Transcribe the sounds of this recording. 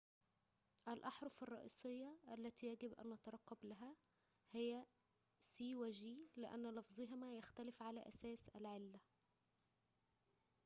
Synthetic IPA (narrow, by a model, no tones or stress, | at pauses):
ʔælʔɑħɾˤɑfɑrˤːɑ̰ʔḭːsˤejːɑʔælːæt̪iːjæɡɪbʔæ̰nːæt̪ɑɾˤɑqːɑblæɦæ | hɪjːæ | siːwæd͡ʒiːlɪʔæ̰nːlɑfzˤeɦɪmæjæxt̪ælɪfʕalæ̰ːʔæsæːsʔælʕelːæ